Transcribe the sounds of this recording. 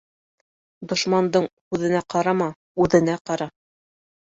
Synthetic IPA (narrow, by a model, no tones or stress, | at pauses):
d̪ŏʃmɑnd̪ɤɴhʉðɘ̆næqɑɾɑmɑ | ʉðɘ̆næqɑɾɑ